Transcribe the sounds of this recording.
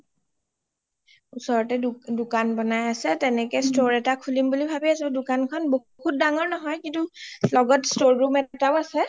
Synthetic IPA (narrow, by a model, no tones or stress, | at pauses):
usɔɹɔtɛdʊkanbɔnajasɛtɛnɛkɛstoɹɛtakʰulimbulibʱabiasɛdʊkankʰɔnbo | hut̚daŋɔɹnɔɦɔjkintulɔɡɔtstoɹːumɛtaʊasɛ